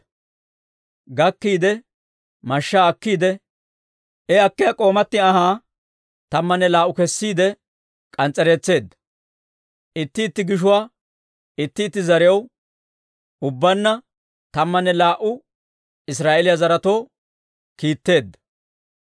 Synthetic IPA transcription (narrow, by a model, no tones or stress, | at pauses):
ɡɐkːiːd̪ɛ | mɐʃːaːɐkːiːd̪ɛ | ʔɛɐkːɛjɐkʼo̞ːmɐt̪ːɪɐɦaː | t̪ɐmːɐnɛlaːʔʊkɛsːiːd̪ɛ | kʼɐnt͡sʼːɛɾeːt͡sːe̞ːd̪ːɐ | ʔɪt̪ːɪːt̪ːɪɡɪʃ̬ʊwaː | ɪt̪ːɪːt̪ːɪzɐɾɪjɐw | ʊbːɐnːɐ | t̪ɐmːɐnːɛlaːʔʊ | ɪs̬ɾaːʔelɪjazɐɾɐt̪o̞ː | kiːt̪ːe̞ːd̪ːɐ